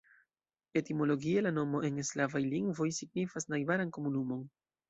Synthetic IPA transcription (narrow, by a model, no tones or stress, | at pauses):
e̞timo̞lo̞ɡie̞lano̞mo̞ʔe̞neslavajliŋɡvo̞jsiɡ̚nifasnajvaɾanko̞munumo̞n